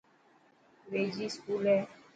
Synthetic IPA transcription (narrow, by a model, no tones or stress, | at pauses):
ɾed͡ʒiskulɛ